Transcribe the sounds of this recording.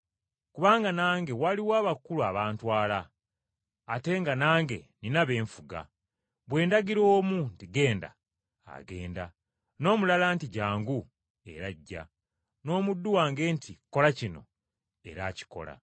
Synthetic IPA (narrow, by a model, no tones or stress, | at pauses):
kuβaːŋɡanaːŋɡe̞waliwaːβakuluaβaːntwaːlaː | te̞ŋɡanaːŋɡe̞̰ninaβe̞ːɱfuɡa̰ | βwe̞ːndaɡiɾo̞ːmuntiɡe̞ːnda̰ | a̰ɡe̞ːnda | no̞ːmulalaːntiɟaːŋɡu | e̞̰ɾaɟːa̰ | no̞ːmudːuwaːŋɡe̞ːntʰiko̞lacino̞̰ | e̞̰ɾaci̥ko̞̰la̰